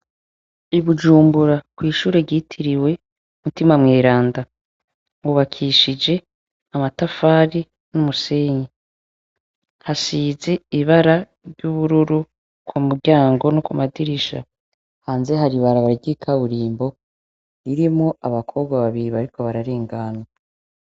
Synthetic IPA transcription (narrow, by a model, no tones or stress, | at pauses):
iβud͡ʒuːmbuɾakwiːʃuːɾe̞ɟiːtʰiɾiwe̞ | umutimamŋe̞ːɾaːnda | wuβakʰiʃid͡ʒe̞ | amatafaːɾi | numuse̞ːɲe | hasiːze̞iβaɾa | ɾɟuβuɾuɾu | kwumuɾɟaːŋɡo̞nokumadiɾiʃa̰ | haːnze̞ɦaɾiβaɾaβaɾɡɟikʰaβuɾiːmbo̞ | iɾimŋoaβakʰo̞ːbɡwaβaβiɾiβaɾiko̞βaɾaɾeːŋɡaːna